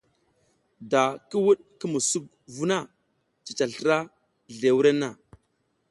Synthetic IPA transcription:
da˨ki˦wu˦ɗki˦mu˨su˦k̚ | vu˦na˦ | t͡ʃi˨t͡ʃa˨ɬə˨ɾa˦ | ɮe˨wu˦ɾe˦nːa˨

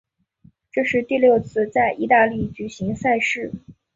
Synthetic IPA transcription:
ʈ͡ʂɤ˥˧ʂɻ̩˥˧t̪i˥˧ljo˥˧ʊt͡sʰɹ̩˥˧t͡sa˥˧ɪʔi˥˧t̪a˥˧li˥˩t͡ɕy˨˩ɕi˧˥ŋsa˥˧ɪʂɻ̩˥˩

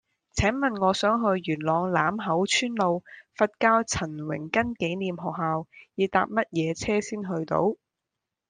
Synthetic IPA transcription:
t͡sʰɛː˨˥ŋmɐ˨nŋɔː˨˧sœː˨˥ŋɦɵ˧ɥjyː˨˩nlɔː˨˧ŋlaː˨˥mɦɐ˨˥wt͡ʃʰyː˥nlo˨˧wfɐ˧t̚kaː˥wt͡sʰɐ˨˩nwɪ̰˨˩ŋkɐ˥nke˨˥jniː˨mɦɔː˨k̚haː˨wjiː˨˧t̪a̰ː˨p̚mɐ˥t̚jɛː˨˧t͡sʰɛː˥siː˥nɦɵ˧ɥt̪o̰˧˥w

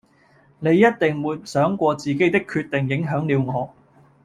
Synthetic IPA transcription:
ne˨˧jːɐ˥t̚t̪ɪ˨ŋwuː˨˧jsœː˨˥ŋkʷɔː˧t͡siː˨ke˨˥jt̪ɪ˥kʰːyː˧t̪ːɪ˨˩ŋjɪ˨˥ŋɦœː˨˥ŋliː˨˧wŋɔː˨˧

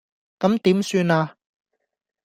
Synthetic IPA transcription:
kɐ˨˥mt̪iː˨˥msyː˧naː˧

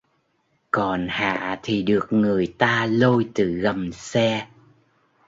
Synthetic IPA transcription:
kɔ˨˩nha̰ː˧˨t̪ʰi˨˩ɗɨ˨˩ək̚ŋɨ˨˩əjt̪aː˧lo˧jt̪ɨ˧˨˩ɣə˨˩msɛ˧

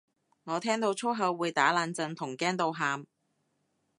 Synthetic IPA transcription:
ŋɔː˨˧t̪ʰɛː˥ŋt̪o˧wt͡ʃʰʊ˥ɦɐ˨˧wːuː˨˧jt̪aː˨˥laː˧nt͡sɐ˧nt̪ʰʊ˨˩ŋkɛː˥nt̪o˧wɦaː˧m

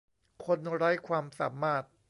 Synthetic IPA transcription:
kʰo˧nɾa˦˥jkʰwaː˧msa̰ː˩˦maː˥˩t̪̚

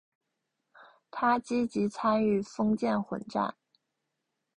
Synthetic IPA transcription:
t̪ʰa˥t͡ɕi˥t͡ɕi˧˥t͡sʰa˥ny˥˩fɤ˥ŋt͡ɕjɛ˥˩nxwə̰˨˩nʈ͡ʂa̰˥˩n

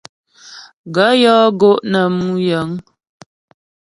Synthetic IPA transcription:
ɡə˨˦jɔː˦ɡo˦ʔnə˨mu˦jə˨˦ŋ

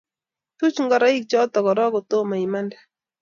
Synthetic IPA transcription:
t̪u˦t͡ʃŋɡɔ˦ɾa˦i˦k̚t͡ʃɔ˦t̪ɔ˨kɔ˨ɾɔ˦ɡɔ˨t̪o˦ma˨i˨ma˦nda˨

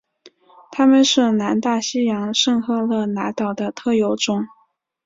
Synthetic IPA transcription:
t̪ʰa˥mə˨nʂɻ̩˥˩na˧˥nt̪a˥˩ɕi˥jɑ˧˥ŋʂɤ˥˧ŋxɤ˥˧lɤ˥˩na˧˥t̪ɑ˨˩ʊd̪ə˦t̪ʰɤ˥˩jo˧˥ʊʈ͡ʂʊ˥ŋ

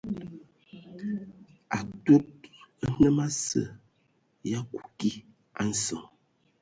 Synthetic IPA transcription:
a˨two˦t̚ə˦nə˦ma˦sə̰˨ | ja˦ku̥˨ki˦ | a˦n̩˦˨sɔ˨ŋ

